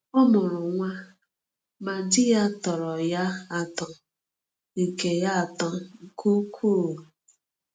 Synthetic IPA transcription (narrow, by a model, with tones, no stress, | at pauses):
ʊ˦mʊ˨ɾʊ˨ŋʷa˦ | ma˨dɪ˦ja˦tɔ˨ɾɔ˨ja˦a˨tɔ˦ | ŋ̩˨ke˨ja˦a˨tɔ˦ŋ̩˨kʰu˦kʰuː˦˨